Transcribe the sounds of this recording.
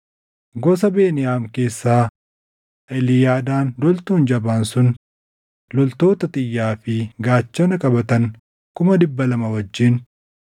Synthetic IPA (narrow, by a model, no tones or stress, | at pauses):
ɡɔs̬ɐbe̞ːnɪjaːmke̞ːsːaː | ɛlɪjaːd̪aːndɔlt̪uːnd͡ʒɐbaːnsʊn | lɔlt̪o̞ːt̪ɐt̪ʼɪjːaːfɪɡaːt͡ʃːɔnɐkʼɐbɐt̪ɐn | kʊmɐd̪ɪbːɐlɐmɐwɐd͡ʒːɪn